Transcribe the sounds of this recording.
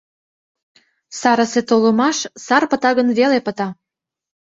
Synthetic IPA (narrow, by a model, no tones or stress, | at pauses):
sɑɾə̆set̪olə̆mɑʃsɑrpət̪ɑɣənβelepət̪ɑ